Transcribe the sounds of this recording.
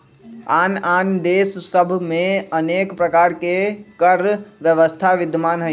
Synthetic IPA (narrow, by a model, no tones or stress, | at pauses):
aːnaːnd̪eːssəbʱmẽəneːkpɾəkaːɾkekəɾʋjəʋəst̪ʰaʋɪd̪maːnɦə